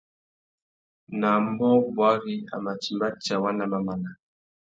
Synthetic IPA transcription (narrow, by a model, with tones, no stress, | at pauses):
na˨m˦bɔ˦bwa˦ɣi˦a̰˨ma˨t͡ʃi˨mba˦t͡ʃa˨wa˦na˨ma˨ma˨na˨